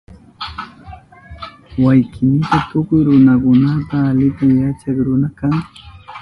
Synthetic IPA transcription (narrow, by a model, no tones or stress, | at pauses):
wajkʰɪnɪt̪at̪ʊkʊjɾʊnakʊnat̪aːlɪt̪amjat͡ʃakɾʊnakaŋ